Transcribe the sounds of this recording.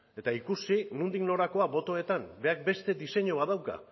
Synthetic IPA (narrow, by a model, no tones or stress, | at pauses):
e̞t̪aikusinund̪ikno̞ɾako̞aβo̞t̪o̞e̞t̪ambe̞ak̚be̞st̪e̞d̪ise̞ɲoβaðawka̰